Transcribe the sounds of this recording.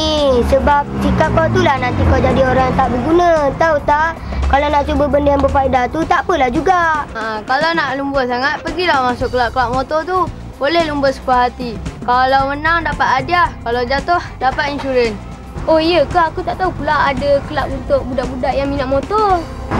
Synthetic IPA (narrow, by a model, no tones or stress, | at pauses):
isəbap̚sikap̚kat̪ulahnant̪ikalawd͡ʒadioɾaŋat̪aʔbəɡunat̪aut̪akalawnaʔt͡ʃubəbəndəjaŋbəpaidat̪ut̪aʔpəlahd͡ʒuɡaakalawnaʔlumbəsaŋat̪̚pəɡilahmasʊʔkːəlaʔkəlaʔ̚mot̪ɔt̪u | bolɛhlumbəsə̥paɦat̪ikalawmənaŋdapat̪̚adiahkalawd͡ʒat̪ohdapat̪̚insuɾən | oijəkahakut̪aʔt̪aupulaadəkəlaʔ̚unt̪ʊʔbudaʔbudaʔjaŋminaʔmot̪ɔr